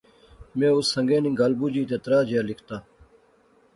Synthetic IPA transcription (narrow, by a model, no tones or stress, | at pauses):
mẽːusɐ̃ŋɡeːnĩɡalbud͡ʑiːt̪et̪ɾaːd͡ʑaːlikʰt̪aː